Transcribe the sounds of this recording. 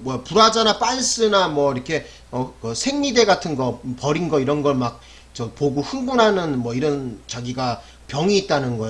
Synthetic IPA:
mwʌpuɾad͡ʑanap͈aɭs͈ɯnamwʌiɾʌkʰe̞ | ʌkɯsʰe̞ŋɲide̞ɡatʰɯnɡʌpʌɾinɡʌiɾʌnɡʌɭmak̚ | t͡ɕʌpoɡuɸɯŋɡunɦanɯnmwʌiɾʌnt͡ɕaɡiɡa | pjʌŋiːt̚t͈anɯnɡʌe

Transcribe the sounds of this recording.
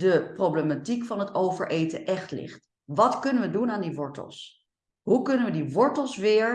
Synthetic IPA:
dəproblematikfɑnɦətowvəɹʔejtəʔɛχtlɪ̰χt | ʋɑtkɵnəʋədunaːndiʋɔɹtə̰lˠs | ɦukɵnənʋədiʋɔɹtəlˠsʋɪːɹ

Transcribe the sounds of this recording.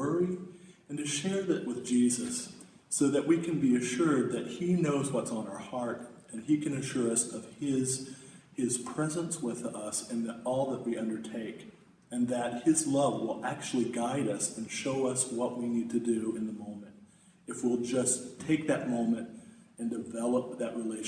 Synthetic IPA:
ə˞iɨ̃ntɨʃɛɹðɨʔ̚wɨðd͡ʒizɨsː | oʊðɨʔ̚wikʰɨ̃nbiɨʃʊɹd̪̚ðɨt̚hinoʊzwʌtsn̩aə˞hɑɹɾ | ɨ̃nikʰɨ̃nɨʃʊɹʌsʌv̥ɪz̥ | ɪz̥pʰɹ̥ɛzə̃nswɪðʌsɨ̃nðɨɾɔlˠðəʔ̚wiʌ̃ndə˞tʰeɪk | ɨ̃nðɨt̚hɪzlʌvwɪlˠæk̚t͡ʃʉl̩ˠiɡaɪɾʌsɨ̃nʃoʊʌswʌʔ̚winid̚tʰɨdɨɨ̃nðəmõʊ̃mɨ̃nt̚ | ɨfwilˠd͡ʒʌstʰeɪk̚ðɨt̚mõʊ̃mɨ̃ntɨ̃ndɨvɛlˠəp̚ðɨʔ̚ɹileɪʃ

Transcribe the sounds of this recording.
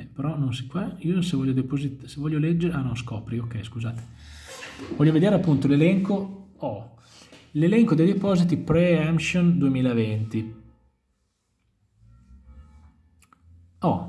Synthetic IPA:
peɾɔnõnsikwaiːosevɔʎːod̪epozit̪sevɔʎːolɛd͡ʒːeɾeanɔskɔːpɾiokːɛjskuzaːt̪e̥ | vɔʎːoved̪eːɾeapːunt̪olelɛŋkoɔ | lelɛŋkod̪ejd̪epɔːzit̪ipɾeɛmʃond̪uemiːlavent̪i | ɔ

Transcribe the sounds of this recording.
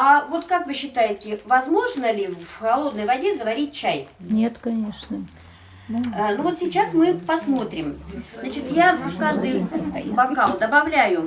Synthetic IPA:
avo̞t̪kakvɨɕːɪt̪ajɪtʲɪvɐzmo̞ʐnəlʲɪvxɐlˠo̞d̪̚nəjvɐdʲezəvɐɾʲit̚ʲt͡ɕæjnʲe̞t̪kɐnʲeʂnə | ənuvot̪sʲɪt͡ɕːasmɨpɐsmo̞t̪ɾʲɪmznat͡ɕɪt̪jafkaʐd̪ɨjbɐkalˠd̪əbɐvlʲæjʊ

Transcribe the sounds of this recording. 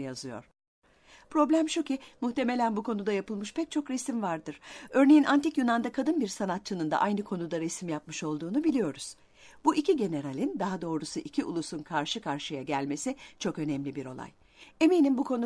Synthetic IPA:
jazɯjo̞̰ɾ̥ | pɾo̞blʲæmʃucʲimuht̪e̞me̞lʲænbukʰo̞nud̪ajapɯlˠmɯʃpʰɛc̚t͡ʃʰo̞kɾɛsimvaɾd̪ɯɾ̥ø̞ɾne̞jinʔant̪ʰikjunand̪akʰad̪ɯnbiɾsanat̪̚t͡ʃɯnɯnd̪a̰ʔajnɯkʰo̞nud̪aɾesimjapmɯʃo̞lˠd̪uːnubilʲijo̞ɾuz̥ | b̥uʔicʰiɟe̞ne̞ɾalʲind̪aɦad̪o̞ːɾusuʔicʰiʔṵlˠusunkʰaɾʃɯkʰaɾʃɯjaɟælʲme̞sit͡ʃʰo̞kø̞nɛmlʲibiɾo̞̰lˠa̰j | e̞mijnimbukʰo̞nu

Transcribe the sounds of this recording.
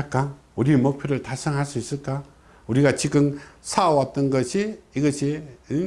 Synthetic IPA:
ak͈a | uɾimok̚pʰjoɾɯɭtasʰɯŋɦaɭs͈uis͈ɯɭk͈a | uɾiɡat͡ɕiɡɯmsʰawat̚t͈ʌnɡʌɕʰiiɡʌɕʰi

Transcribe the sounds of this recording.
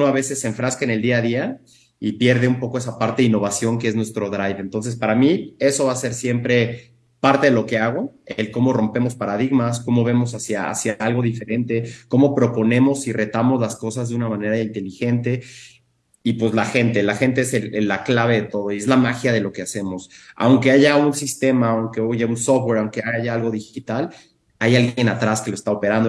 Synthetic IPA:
noaβese̞se̞ɱfɾaskaene̞ld̪iað̞ia | ipje̞ɾðe̞umpo̞koe̞sapaɾt̪e̞ðinːo̞βasjo̞ŋkeeznwe̞st̪ɾo̞ðɾajβent̪o̞ns̬e̞spaɾamie̞so̞βase̞ɾsje̞mpɾe̞ | paɾt̪e̞ðelo̞ke̞aɣo̞elko̞mo̞ro̞mpe̞mo̞spaɾaðiɣmasko̞mo̞βe̞mo̞sasjaa̰sjaalɣo̞ðife̞ɾe̞nt̪e̞ko̞mo̞pɾo̞po̞nẽ̞mo̞sire̞t̪amo̞zlasko̞sazðeunamãne̞ɾaint̪e̞lixe̞nt̪e̞ | ipwezlaxe̞nt̪e̞laxe̞nt̪e̞eselelːaklaβ̞e̞ðe̞t̪o̞ð̞o̞ie̞zlamaxjað̞e̞lo̞ke̞ase̞mo̞sa̰wŋke̞aʝaunsist̪e̞maːwŋkeoʝaunsofwe̞ɾawŋkeaʝaalɣo̞ðixit̪al | ajalɣje̞nat̪ɾaskeloe̞st̪aope̞ɾand̪o

